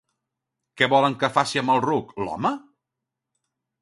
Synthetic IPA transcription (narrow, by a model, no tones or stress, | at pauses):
kɛβɔləŋkəfasiəməlˠruklɔ̰mə